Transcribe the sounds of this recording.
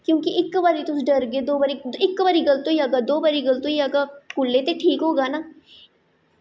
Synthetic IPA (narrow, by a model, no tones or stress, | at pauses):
kjõːkiʔɪkːɐbaːɾit̪ʊsɖɐɾɡed̪oːbaɾik̪ɪkːbaɾiɡɐlt̪õiaɡaːd̪oːbaɾiɡəlt̪õiaɡakulːet̪eʈʰiːkɦoːɡaːnaː